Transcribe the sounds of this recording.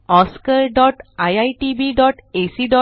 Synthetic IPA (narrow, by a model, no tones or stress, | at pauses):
ɔskəɾɖɔʈajajʈibiɖɔʈesiɖɔ